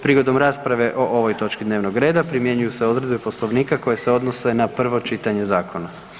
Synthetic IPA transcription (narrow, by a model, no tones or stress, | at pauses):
pɾiɡo̞d̪o̞mɾaːspɾaʋe̞ʔo̞ʔo̞ʋo̞jt̪o̞t͡ʃkid̪neʋnoɡɾe̞ːd̪apɾimje̞ɲujuse̞o̞d̪ɾe̞d̪̚bepo̞slˠo̞ʋniːkako̞je̞seo̞d̪nose̞napr̩ʋo̞t͡ʃit̪aɲe̞zaːkʰo̞na